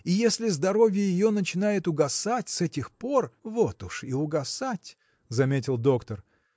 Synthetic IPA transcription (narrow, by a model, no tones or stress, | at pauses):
ijesʲlʲɪzd̪ɐɾo̞vʲjəjɪjo̞nət͡ɕɪnajɪt̪ʊɡɐsatʲsɛtʲɪxpo̞rvo̞t̪ʊʂɪʊɡɐsatʲ | zɐmʲetʲɪlˠd̪o̞kt̪ər